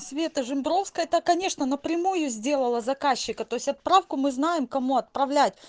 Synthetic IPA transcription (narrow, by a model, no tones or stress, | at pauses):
svʲe̞t̪əʐɨmbɾo̞fskət̪akɐnʲe̞ʂnənəpɾʲɪmujʊzʲdʲe̞lˠəlˠəzɐkaɕːɪkət̪o̞ɪsʲɐt̪̚pɾafkʊmɨznajɪmkɐmuɐt̪̚pɾɐvlʲætʲ